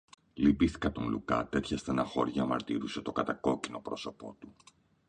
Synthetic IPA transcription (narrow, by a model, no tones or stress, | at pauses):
lipiθi̥kɐt̪o̞nlṵkɐ̰t̪et̪çɐst̪enɐxo̞ɾʝɐːmɐɾt̪iɾuset̪o̞kɐt̪ɐko̞cino̞pɾo̞so̞po̞̰t̪u